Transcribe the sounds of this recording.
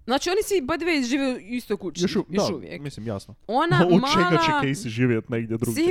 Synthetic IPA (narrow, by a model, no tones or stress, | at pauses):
zaːt͡ʃionisibad̪iʋeizʒiːʋeuist̪ojkut͡ʃjoʃujod̪aʃuʋjḛkmislimja̰snoonamat͡ʃelɡaat͡ɕekejsiʒiːʋjet̪neɡd̪ʲjed̪ɾuɡ̪si